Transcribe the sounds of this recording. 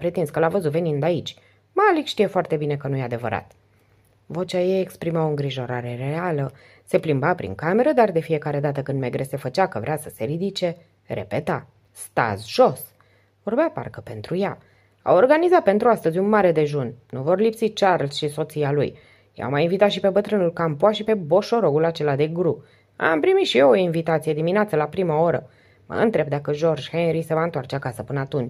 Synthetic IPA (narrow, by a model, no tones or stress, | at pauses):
pɾet̪inskəlavəzut̪ve̞nind̪ait͡ʃʲ | malikʃt̪ije̞foart̪e̞bine̞kənujead̪e̞və̰ɾa̰t̪ | vo̞t͡ʃʲajejekspɾimawoɨŋɡɾiʒo̞ɾaɾe̞re̞alə | se̞plimbapɾḭŋkame̞ɾəd̪ard̪e̞fije̞kaɾe̞d̪at̪əkɨnd̪meɡɾese̞fət͡ʃakəvɾeasə̥se̞ɾid̪it͡ʃe̞ | ɾe̞̰pe̞t̪a | st̪a̰zʒ̥o̞s | vorbeapa̰rkəpe̞nt̪ɾuja | a̰worɡanizat̪̚pe̞nt̪ɾuast̪əzʲunmaɾe̞d̪e̞ʒunnuvo̞rlipsit͡ʃarlsʃiso̞t̪sialṵj | ja̰wmajinvit̪at̪ʃipe̞bət̪ɾɨnulkampoaʃipe̞bo̞ʃo̞ɾo̞ɡulat͡ʃe̞lad̪e̞ɡɾu | a̰mpɾimit̪ʃijeoinvit̪at̪sijed̪imineat̪səlapɾimao̞ɾə | mə̰ɨ̰nt̪ɾe̞b̚d̪akəʒo̞rd͡ʒhenɾise̞vaɨnt̪oart͡ʃeakasəpɨnəat̪unt͡ʃʲ